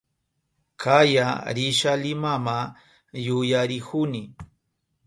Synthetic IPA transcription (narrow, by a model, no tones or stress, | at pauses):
kʰajaɾɪʃalɪmama | jʊjaɾɪhʊnɪ